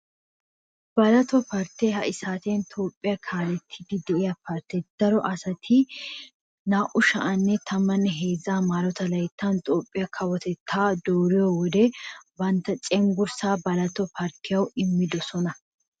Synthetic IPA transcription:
b̥ɐlɐt̪ɔpɐɾt̪ːehɐʔɪsaːt̪eːnt̪ʰoːpʼːɪjɐkʰaːlɛt̪ʰːɪd̪ɪd̪ɛʔɪjɐpɐɾt̪ːɛd̪̥ɐɾɔʔɐsɐt̪ʰɪ | naːʔʊʃɐʔɐnːɛt̪ʰɐmːɐnːɛɦe̞ːzːaːmaːɾɔt̪ɐlɐjt̪ʰːɐnt̪ʼoːpʼːɪjɐkʰɐwɔt̪ɛt̪ʰːaːd̪oːɾɪjɔwɔd̪ɛbɐnt̪ːɐt͡ʃʼɛŋɡʊɾsaːbɐlɐt̪ɔpɐɾt̪ʰːɪjɐwɪmːɪd̪ɔsɔnɐ

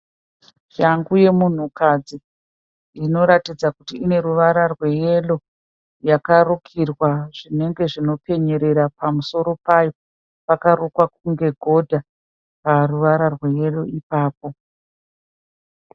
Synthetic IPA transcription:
jaŋɡuje̞mun̤ukad͡ziː | no̞ɾatid͡zakutiine̞ɾuʋaɾarwe̞je̞lo̞ | jakarokʰirwaʐ̥ine̞ŋɡe̞ʐino̞pe̞ɲe̞ɾe̞ɾapamuso̞ɾo̞pajo̞ | pakaɾokwak̚uŋɡe̞ɡʱo̞dʱa | paruʋaɾarwe̞je̞lo̞ipaːp̚o̞

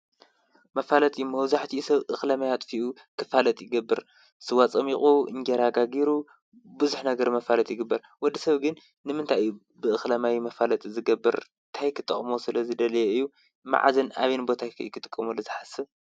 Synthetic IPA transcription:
mɐfalɐt̪ʼɨjːumɐwzaħt̪ʰisɐβʔɨxlɐmajat̪ʼfiʔu | kʰɨfalɐt̪ʼjɪɡɐbːɨɾ | sɨwat͡sʼɐmiχʼuɨ̰ŋɡɐɾaɡaɡiɾu | bɨzuħnɐɡɐɾmɐfalɐt̪ʼjɪɡɨbːɐɾ | wɔd̪ːisɐβɡɨnː | ɨmɨnt̪ʰaju | bɨʔɨxlɐmajmɐfalɐt̪ʼzɨɡɐbːɨɾ | t̪ʰajkʰɨt̪ʼːɨχʼmosɨlɐzɨd̪ɐlɐjeɨjːu | ma̰ʕa̰zɐna̰βenbo̞t̪ʰakʰkʰɨt̪ʼɨkʼːɨmulɐzɨħasɨ

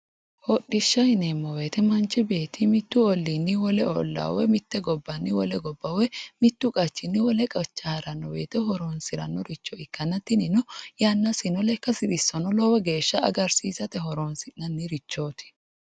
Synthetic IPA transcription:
hɔɗɪʃːɐɪnemːɔwe̞ːt̪ɛmɐnt͡ʃːɪbe̞ːt̪ʰːɪmɪt̪ːʊɔlːinːɪwɔlɛɔ̰lːɐ̰wɛmɪt̪ːɛɡɔbːɐnːɪwɔlɛɡɔbːɐwɛmɪt̪ːʊkʼɐt͡ʃːɪnːɪwɔlɛkʼɐt͡ʃːɐhɐɾɐnːɔwḛːt̪ɛɦɔɾoːnsɪɾɐnːɔɾɪt͡ʃːɔɪkːɐnːɐt̪ːɪnɪnɔjanːɐsɪnɔlɛkːɐsɪd̪ɪsːɔnɔlɔwɛɡe̞ːʃːɐɐ̰ɡɐɾsiːsɐt̪ɛɦɔɾoːnsɪnːɐnːɪɾɪt͡ʃːoːt̪ʰɪ̥

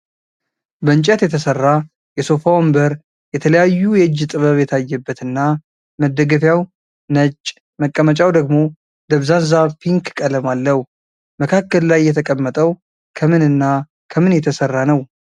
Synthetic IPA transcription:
bəɨnt͡ʃʼɛt̪jɛt̪ʰəsərːa | jɛsofawombəɾ | jɛt̪ʰələjajːujɛɨd͡ʒːt̪ʼɨβəβjɛt̪ʰajːɛbːət̪ɨnːa | məd̪əɡəfjaw | nət͡ʃʼ | məkʼːəmət͡ʃʼawd̪əɡmo̞ | d̪əβzanzapʰiŋkkʼələmalːəhu | məkʰakːəllajːɛt̪ʰəkʼəmːət̪ʼəw | kʰəmɨnɨnːa | kʰəmɨnjɛt̪ʰəsərːanəw

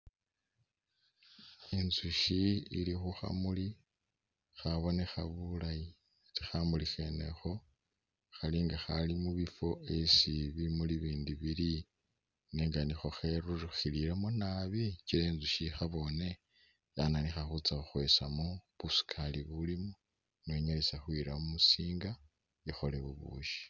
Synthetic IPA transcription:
inzuʃiilixuxa̰muli | xaβo̞ne̞xaβulaji | ɾixamulixe̞ne̞̰xo̞ | xaliːŋɡaxalimuβifo̞ʔesiβimuliβiːndiβili | neŋɡanixo̞xeɾuɾixiliɾemunaβicieːnzuʃixaβo̞ne̞ | jananixaxut͡saxuxwe̞samuβusi̥kʰaliβulimu | noɲolesaxwiːɾaumusiːŋɡa | exo̞leβuβṵːʃi̥

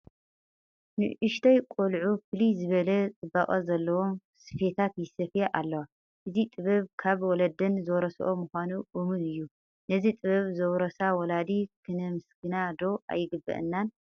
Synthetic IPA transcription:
nɨ̰ʔɨʃt̪ʰɐjkʼolʕufɨlizɨβɐlɐt̪ʼɨbːaχʼɐzɐlːɐwom | sɨ̥fe̞t̪ʰat̪jɪsɐfjeʔalːɐwa | ʔɨzit̪ʼɨβɐβkʰaβwɔlɐd̪ɨnzowɾɐsʔomuxʷanuʔumɨnɨjːu | nɐzit̪ʼɨβɐβzɐwɾɐsawɔlad̪ikʰɨnɐmɨsɡɨnad̪o̞ʔa̰jːɪɡɨbːɐ̰ʔɨ̰nːan

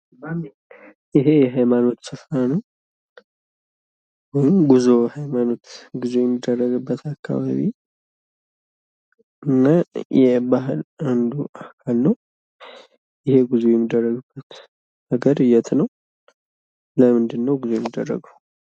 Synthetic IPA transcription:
ɪɦe̞jɛɦajmano̞t̪sɨfɾanəw | wojmɡuzohajmano̞t̪ɡuzejɛmːid̪ːərːəɡɨbːət̪akːa̰βa̰βi | ʔɨnːajɛbaɦɨland̪uʔakʰalnəw | jɪhe̞ɡuzujɛmːid̪ːərːəɡɨb̥ːət̪ | nəɡəɾɨjɛt̪nəw | ləmɨnd̪ɨnːəwɡuzojɛmːid̪ːə̰rːə̰ɡəw

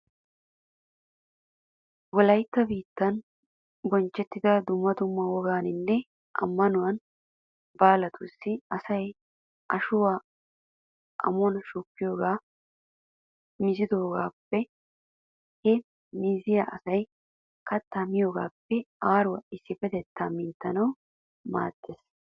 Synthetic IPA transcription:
wɔlɐjt̪ːɐbiːt̪ːɐn | bɔnt͡ʃːɛt̪ːɪd̪ɐd̪ʊmːɐd̪ʊmːɐwɔɡaːnɪnːɛ | ʔɐ̰mːɐnʊwɐn | baːlɐt̪ʰusːɪɐsɐj | ʔɐʃʊwaː | ʔɐ̰mɔnɐʃukːɪjo̞ːɡaː | mɪzɪd̪o̞ːɡaːpːɛ | hɛ | miːzɪjaʔɐsɐj | kɐt̪ːamɪjoːɡa̰ːpːɛaːɾʊwɐɪsːɪfɛt̪ɛt̪ːamɪːnt̪ːɐnɐw | ma̰ːd̪̥ːeːs

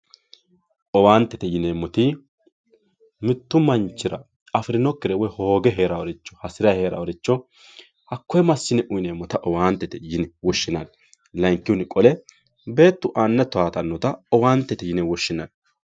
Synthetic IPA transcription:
ʔɔwaːnt̪ːɛt̪ɛjɪneːmːɔt̪i | mɪt̪ːʊmɐnt͡ʃːɪɾɐ̰ | ɐfɪɾɪnɔkːɪɾɛwɔjhoːɡɛɦe̞ːɾɐwɔɾɪt͡ʃːɔ̥hɐsɪɾɐhe̞ːɾɐ̰wɔɾɪt͡ʃːɔ | hɐkːɔjɛmɐsːɪnɛʔʊjɪneːmːɔt̪ɐʔɔwaːnt̪ːɛt̪ɛjɪnɛwɔʃːɪnɐn | lɐŋkːɪwʊnɪkʼɔlɛ | be̞ːt̪ːʊʔaːnːɛt̪ʊaːt̪ɐnːɔt̪ɐɔwaːnt̪ːɛt̪ɛjɪnɛwɔʃːɪnɐn

